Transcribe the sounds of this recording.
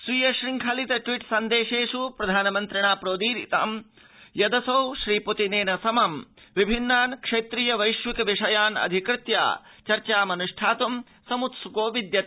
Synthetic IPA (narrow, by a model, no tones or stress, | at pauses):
sʋiːjɐʃɾiŋkʰɐlit̪ɐʈʋiʈsɐnd̪eːʃeːʂupɾɐd̪ʱaːnɐmɐnt̪ɾiɳaːpɾoːd̪iːɾḭt̪ɐ̰m | jɐd̪ɐsɐwʃɾiːput̪ineːnɐsɐmɐm | ʋibʱinːaːnkʂeːt̪ɾijɐʋɐjʃʋikɐʋiʂɐjaːnɐ̰d̪ʱikɾɪt̪ja̰ːt͡ʃɐɾt͡ʃaːmɐnuʂʈʰaːt̪um | sɐmut̪sukoːʋid̪jɐt̪